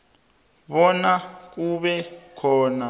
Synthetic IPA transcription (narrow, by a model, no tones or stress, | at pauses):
ɓɔnak̬uɓɛkʰɔːna